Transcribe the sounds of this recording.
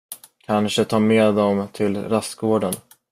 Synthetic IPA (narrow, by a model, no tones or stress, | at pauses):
kʰanʂət̪ʰɑːmeːd̪ɔmt̪ʰɪlɾast̪ɡoːɖən